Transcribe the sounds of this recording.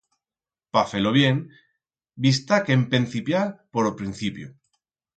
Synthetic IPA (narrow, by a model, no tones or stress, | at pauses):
pafeloβ̞jeŋ | bist̪akempenθipjapoɾopɾin̟θipjo